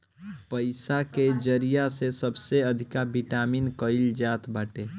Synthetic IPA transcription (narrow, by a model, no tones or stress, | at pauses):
pəɪsaked͡ʒəɾijasesəbseəd̪ʱikabiʈaminkəɪld͡ʒaːt̪baːʈe